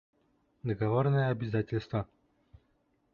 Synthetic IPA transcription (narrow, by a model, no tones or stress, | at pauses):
d̪əɡɐvornəjəɐbʲɪzatʲɪlʲst̪və